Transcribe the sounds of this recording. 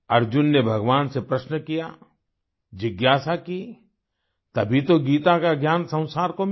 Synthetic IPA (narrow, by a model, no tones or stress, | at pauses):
ɐɾd͡ʒʊnːebʱɐɡʋaːnsepɾɐʃnəkija | d͡ʒɪɡjaːsaki | t̪ɐbʱit̪oɡiːt̪akaɡjaːnsɐ̃w̃saːɾkom